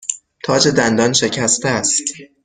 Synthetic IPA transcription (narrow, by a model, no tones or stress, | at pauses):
t̪ʰɒːd͡ʒe̞d̪ænd̪ɒːnʃe̞cʰæst̪æst̪